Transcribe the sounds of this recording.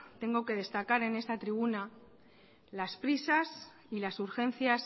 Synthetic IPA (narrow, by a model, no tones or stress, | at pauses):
t̪e̞ŋɡo̞ke̞ð̞e̞st̪akaɾe̞ne̞st̪at̪ɾiβ̞una | laspɾisas | ilasuɾxe̞n̟θjas